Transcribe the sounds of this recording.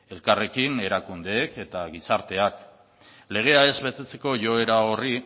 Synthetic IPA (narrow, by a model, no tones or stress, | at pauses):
e̞lkare̞kine̞ɾakund̪e̞ːke̞t̪aɣ̞isaɾt̪e̞ak | le̞ɣ̞e̞ae̞zβe̞t̪et͡se̞̥ko̞ʝo̞e̞ɾao̞ri